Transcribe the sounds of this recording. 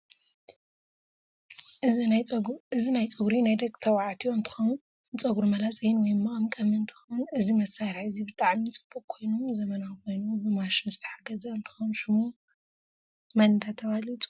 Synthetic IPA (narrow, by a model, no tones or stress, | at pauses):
ʔɨ | ɨzinajt͡sʼɨɡɾinajd̪ɐɡʼt̪ʰɐwaʕat̪ʰioɨnt̪ʰɨ̥xon | t͡sʼɐɡuɾmɐlat͡sʼɐjɪnwɔjmːɐkʼɐmkʼɐmɨnt̪ʰɨ̥xɐwnɨzimɐsaɾħɨzibɨt̪ʼaʕmit͡sʼɨ̥b̥ːukkʰo̞jnomzɐmɐnawkʰo̞jnubɨmaʃɪnzɨt̪ʰɐ̥ħaɡɐzɐɨnt̪ʰɨ̥xonʃɨmu | mɐnd̪at̪ʰɐβalit̪ʼu̥